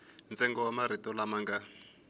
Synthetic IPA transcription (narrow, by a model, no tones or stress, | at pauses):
nt͡sɛŋɡɔwamaɾ̤itɔlamaŋɡa